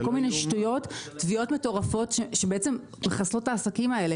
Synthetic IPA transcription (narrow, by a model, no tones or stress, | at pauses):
kolminejʃtujo̞tːvio̞tme̞to̞ʁafo̞tʃeʃebeet͡se̞m | meχaslo̞taːsakimae̞le̞